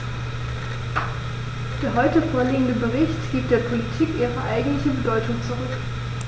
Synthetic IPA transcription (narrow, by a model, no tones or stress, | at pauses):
d̥eːɐɦɔʏtəfoːɐliːəndəbəʁɪçtɡ̥iːp̚td̥eːɐpʰolitʰiːkʔiːʁəʔaɪɡŋ̩tlɪçəbədɔʏtʊŋt͡suʁʏk